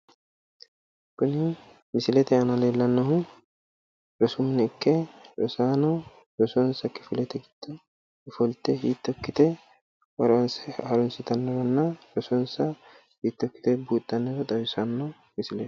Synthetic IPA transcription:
kʊnɪ | mɪsɪlɛt̪ɛɐnɐleːlːɐnːɐɦʊ | ɾɔsʊmnɛɪkːɛɾɔsaːnɔ | ɾɔsɔnsɐkːɪfɪlɛt̪ɛɡɪt̪ːɐ | kɪfɔlt̪ɛɦiːt̪ːɔkːɪt̪ɛ | wɐɾnshɐɾɔnsɪt̪ɐnːɔɾɐnːɐɾɔsɔnsɐ | hiːt̪ːɔkːɪ̥t̪ɛbuːt̪ʼːɐnːɛɾɔt̪ʼɐwɪsɐnːɔ | mɪsɪlɛ̥

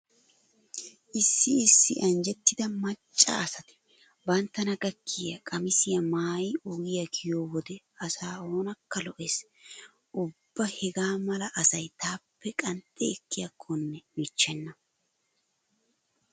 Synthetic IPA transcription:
ʔɪsːɪɪsːɪ̰ʔɐnd͡ʒɛt̪ːɪd̪ɐmɐt͡ʃʼːa̰ːsɐt̪ɪ̥ | bɐnt̪ːɐnɐɡɐkʰːɪjɐkʼɐmɪsɪjɐmaːjʊɡɪjɐkʰɪjoːwɔd̪ɛ | ɐsaːo̞ːnɐkːɐlɔʔes | ʔʊbːɐhɛɡaːmɐlɐʔɐsɐjt̪aːpːɛkʼɐnt̪ʼɛːkːɪjɐkʰːɔnːɛmɪt͡ʃːɛnːɐ

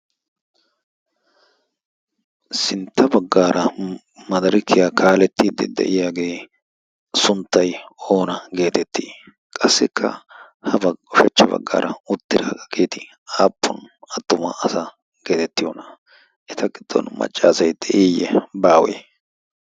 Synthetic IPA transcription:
sɪnt̪ːɐbɐɡːaːɾʔɐ | mɐd̪ɐɾɪkːɪjakaːlɛt̪ːiːd̪ːɛ̰d̪ɛ̰ʔɪjaːɡe̞ː | sʊnt̪ːɐjoːnɐɡe̞ːt̪ɛt̪ːiː | kʼɐsːɪkʰːɐ̰ | hɐbɐɔʃɛt͡ʃːɐbɐ̰ɡːa̰ːɾʔɐʊt̪ːɪɾaːɡɐɡeːt̪ɪ | aːpːʊnɐt̪ːʊmɐ̰ʔːsa | ɡ̥e̞ːt̪ɛt̪ːɪjɔ̰ːnɐ | ʔɛt̪ɐɡɪd̪̥ːɔ̰nmɐ̰t͡ʃʼːaːsɐjd̪ɛʔiːjːɛbaːwḛː

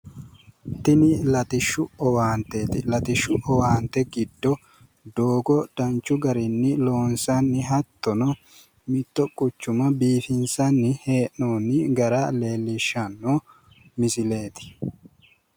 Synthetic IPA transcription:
t̪ɪnɪlɐt̪ɪʃːʊɔwaːnt̪eːt̪ɪlɐt̪ɪʃːʊʔɔwaːnt̪ɛɡɪd̪ːɔ | d̪oːɡɔd̪̥ɐnt͡ʃːʊɡɐɾɪnːɪlo̞ːnsɐnːɪɦɐt̪ːɔnɔ | mɪt̪ːɔkʼʊt͡ʃːʊmɐbiːfɪnsɐnːɪhe̞ːʔnoːnːɪɡɐɾale̞ːlːɪʃːɐnːoː | mɪsɪle̞ːt̪ɪ̥

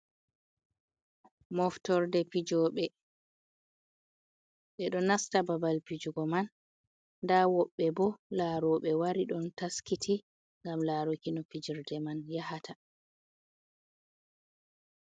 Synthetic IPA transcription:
mɔftɔɾdɛpid͡ʒɔɓɛ | ɓɛɗɔnastababalpid͡ʒuɡɔmanː | dawɔɓːɛbɔlaɾɔɓɛwaɾiɗɔntaskitʰi | ŋɡamlaɾɔkinɔpid͡ʒiɾdɛmanjahatʰa

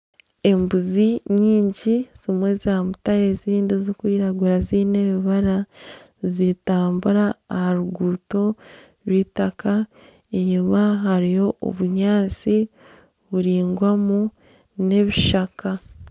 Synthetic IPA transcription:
e̞mbuziɲiːɲɟiz̥imwe̞zamutaɾeziːndizokwiːɾaɡuɾaziːne̞βiβaɾa | zitaːmbuɾaːhaɾuɡuːto̞ | ɾwiːtaka | eɲumaɦaɾijo̞o̰βuɲaːt͡si | βuɾiːŋɡwamu | ne̞βiʃakʰa

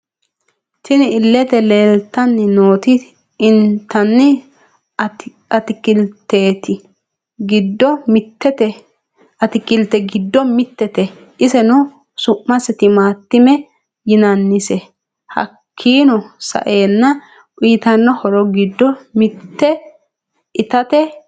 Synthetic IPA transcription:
ʃɪnɪɪlːɛt̪ɛleːlt̪ːɐnːɪnoːt̪ɪ | ɪnt̪ːɐnːɪ | ɐt̪ɪkɪlt̪ːeːt̪ɪ | ɡɪd̪ːɔmɪt̪ːɛt̪ɛ | ɐt̪ɪkɪlt̪ːɛɡɪd̪ːɔmɪt̪ːɛt̪ɛ | ʔɪsɛnʊ | sʊʔmɐsɛt̪ɪmaːt̪ːɪmɛ | jɪnɐnːɪsɛ | hɐ̰kʰːiːnɔsɐ̰ʔeːnːɐ | ʔiːt̪ɐnːɔhɔɾɔɡɪd̪ːɔmɪt̪ːɛ | ɪt̪ɐt̪ɛ

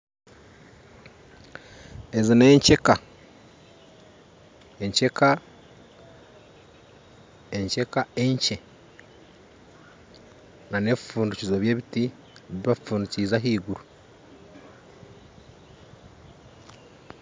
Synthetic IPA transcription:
ezine̞ːɲce̞ka | eɲce̞ka | eɲce̞kae̞ɲce̞ | nane̞βifuːnducizoβje̞ːβiti | eβiβafuːnduciːzaɦiːɡuɾu

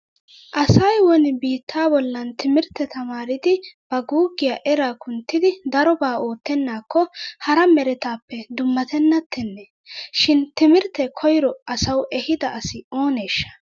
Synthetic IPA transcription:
ʔɐsɐjwɔnɪbiːt̪ʰːaːbɔlːɐnt̪ɪmɪɾt̪ːɛt̪ʰɐmaːɾɪd̪ɪb̥ɐɡuːɡɪjaːʔɛɾaːkʊnt̪ːɪd̪ɪd̪ɐɾɔbaːo̞ːt̪ːɛnːaːkʰːɔhɐɾɐmɛɾɛt̪aːpːɛd̪ʊmːɐt̪ɛnːɐt̪ʰːɛnːɛ | ʃɪnt̪ɪmɪɾt̪ːɛkʰɔjɾɔʔɐsɐwʔɛhɪd̪ɐɐsɪo̞ːne̞ːʃːɐ̥

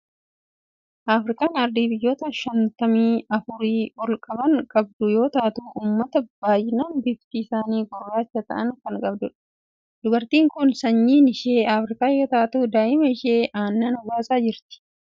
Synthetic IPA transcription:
ʔaːfɾɪkʼaːnɐɾd̪iːbɪjːo̞ːt̪ɐʃɐnt̪ɐmiːɐfʊɾiːɔlkʼɐbɐŋkʼɐb̚d̪ʊjo̞ːt̪aːt̪uːʔuːmːɐt̪ɐb̥aːjɪnɐnbɪft̪iːsaːniːɡɔrːaːt͡ʃːɐt̪ɐ̰ʔɐŋkɐŋkʼɐbd̪ʊᶑɐ̥ | d̪ʊbɐɾt̪iːŋkʊnsɐɲːiːnɪʃeːaːfɾɪkʼaːjo̞ːt̪aːt̪uːd̪aːʔɪmɐɪʃeːʔaːnːaːnʊbaːsʼaːd͡ʒɪɾt̪ɪ̥

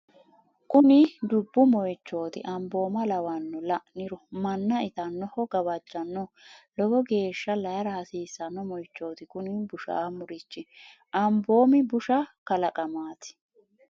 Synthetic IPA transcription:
kʊnɪd̪ʊbːʊmɔjt͡ʃːo̞ːt̪ɪ̰ʔɐmbo̞ːmɐlɐwɐnːɔlɐʔnɪɾɔmɐnːɐɪt̪ɐnːɔhɔɡɐβɐd͡ʒːɐnːɔlɔɡɔɡe̞ːʃːɐlɐjɐɾɐhɐsiːsːɐnːɔmɔjt͡ʃːo̞ːt̪ɪkʊnibʊʃa̰ːmʊɾɪt͡ʃːɪ | ʔɐmbo̞ːmɪbʊʃɐkɐlɐkʼɐmaːt̪ɪ̥

